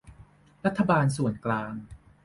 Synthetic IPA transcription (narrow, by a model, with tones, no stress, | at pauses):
ɾa˦˥t̪ʰːa˧baː˧nsu˨˩ənklaː˧ŋ